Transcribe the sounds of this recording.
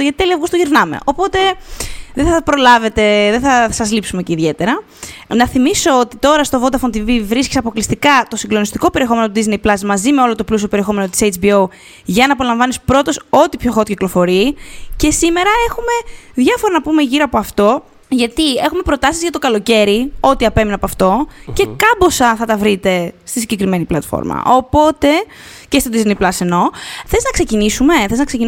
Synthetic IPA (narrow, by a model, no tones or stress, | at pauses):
ʝɐt̪it̪eliɐvɣust̪oʝiɾnɐmḛʔo̞po̞t̪e̞ðeθɐpɾolɐve̞t̪e̞ðeθɐsɐzlipsumeceiðʝe̞t̪e̞ɾɐ | nɐθimiso̞ot̪it̪o̞ɾɐst̪o̞vd̪ɐfont̪ivivɾiscisɐpo̞klist̪ikɐt̪o̞siɡlo̞nist̪i̥ko̞peɾie̞xo̞menot̪uðizne̞jplɐzmɐzime̞o̞lo̞t̪o̞plus̬io̞peɾie̞xo̞me̞not̪i̥sejt͡ʃbio̞w | ʝɐnɐːpo̞lɐɱvɐnispɾo̞t̪o̞so̞t̪ipço̞xot̪ciklo̞fo̞ɾiːce̞sime̞ɾɐe̞xume̞ðʝɐfoɾɐnɐpume̞ʝiɾɐpoɐft̪o̞ | ʝɐt̪ie̞xumepɾo̞t̪ɐsizʝɐt̪okɐlo̞ce̞ɾio̞t̪iɐpe̞minɐpoɐft̪o̞ce̞kɐbo̞sɐθɐt̪ɐvɾit̪e̞st̪isiɲɟe̞kɾime̞niplɐt̪fo̰ɾmɐ̰opo̞t̪e̞ | ce̞st̪o̞d̪iznejplɐse̞no̞θeznɐkse̞cinisume̞θeznɐkse̞cin